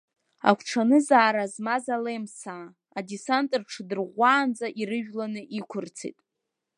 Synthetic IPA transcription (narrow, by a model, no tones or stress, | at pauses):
a̰kʷʰʈ͡ʂʰanɨzaːɾazmazalemsaː | disantʼrʈ͡ʂʰɨdɨrʁʷaːnd͡zaʔiɾɨʒᶣlanɨʔikʷʰʊrt͡sʰḭtʼ